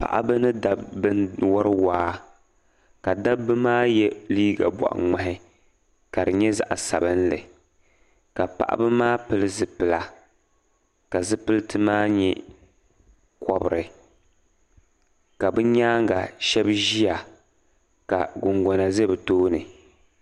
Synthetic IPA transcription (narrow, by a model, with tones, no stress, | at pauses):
pa̰˨ʔa̰˦bɨ˦nɨ˦da˨bbɨ˦n˦wɔ˦ɾɨ˦waː˦ | ka˨da˦bɨ˦maː˦jɛ˦liː˦ɡa̰˨bɔ̰˨ʔa̰˨ŋa˨ɦɪ˦ | ka˨dɨ˨ɲɛ˦za̰˨ʔa˨sa˨bɨ˦nlɨ̰˨ | ka˨pa̰˨ʔa̰˦bɨ˦maː˦pɨ˨lɨ˦zɨ˨pɨ˨la˨ | ka˨zɨ˦pɨ˦ltɨ˦maː˦ɲɛ˦ | kʰɔ˦bɨ˨ɾɨ˨ | ka˨bɨ˦ɲaː˦ŋ˦ɡa˨ʃɛ˦bʒi˦a˨ | ka̰˨ɡʊ˨ŋɡɔ˨na˨zɛ˦bɨ˨toː˦nɨ˨